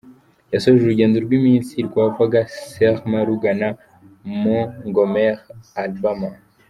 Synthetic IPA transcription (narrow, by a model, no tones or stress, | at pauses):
jasoʒuɾuɟeːnduɾɡwimiːnsiiɾikwavaɡaseʁmaɾuɡana | moŋɡomeʁalbama